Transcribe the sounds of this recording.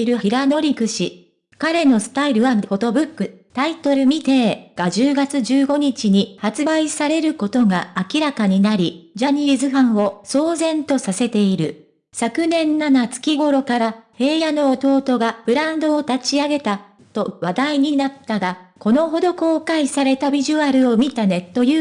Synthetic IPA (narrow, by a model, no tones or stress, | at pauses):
iɾɯ̟iɾano̞ɾʲikɯ̟ɕi | kaɾe̞no̞sɨ̥t̪aiɾɯ̟βaho̞t̪o̞bɯ̟kːɯ̟t̪ait̪o̞ɾɯ̟mʲit̪e̞ːɡ̥aʑɨːɡat͡sɨʑɨːɡo̞ɲ̟it͡ɕiɲ̟ihat͡sɨbaisaɾe̞ɾɯ̟ko̞t̪o̞ɡaakʲiɾakaɲ̟inaɾʲid͡ʑaɲ̟izɨɦãɰ̃o̞so̞ːzẽ̞nt̪o̞sase̞t̪e̞iɾɯ̟ | sakɯ̟nẽ̞nːanat͡sɨ̥kʲiɡo̞ɾo̞kaɾahe̞ːjano̞ːt̪o̞ːt̪o̞ɡab̥ɯ̟ɾãnd̪o̞ːt̪at͡ɕiaɡe̞t̪a | t̪o̞βad̪aiɲ̟inat̪ːaɡako̞no̞ɦo̞d̪o̞ko̞ːkaisaɾe̞t̪abʲiʑɨaɾɯ̟o̞mʲit̪ane̞t̪ːo̞jɯː